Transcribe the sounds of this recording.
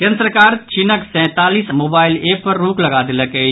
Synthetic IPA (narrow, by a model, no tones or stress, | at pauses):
kɛ̃nsəɾəkaːɾt͡ʃɪnəksɛ̃t̪aːliːsmoːbaːɪlepɐɾːuːklɐɡaːd̪ɪləkɛ